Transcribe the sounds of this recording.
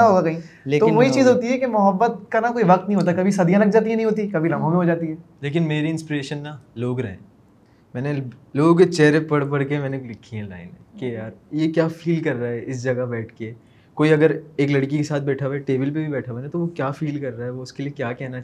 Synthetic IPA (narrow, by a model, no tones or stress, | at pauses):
aɦoːɡakɐɦĩeːtoʋoɦit͡ʃiːzɦoːt̪iɦɛkemʊɦəbːət̪̚kanakoːiʋɐqt̪nɐɦĩoːt̪̬akɐbʱisɐd̪ʱijãlɐɡ̚d͡ʒaːt̪̬iɦɛ̃nɐɦĩɦoːt̪ikɐbʱilɐ̃mʱõmẽɦod͡ʒaːt̪iɦɛːleːk̬ɪnmeːɾiɪ̃nspiɾeːʃənːaloːɡɾɐɦeɛ̰̃ː | mɛ̃ːneloːɡt͡ʃɛːɾepɐɽpɐɽkemɛ̃ːnelɪkʰːiɦɛ̃la̰ːɪnɦɛ̰̃kejaːɾjekjaːfiːlkɐɾːaɦɛʔɪsd͡ʒɐɡabɛːʈʰke | koːiɐɡəɾeːklɐɽkikesaːt̪̚ʰbɛːʈʰaʋeʈeːbɪlpebʱibɛːʈʰaʋenẽt̪oʋokjaːfiːlkɐɾːaːɦɛʋoʊskeliekjaːkɛɦna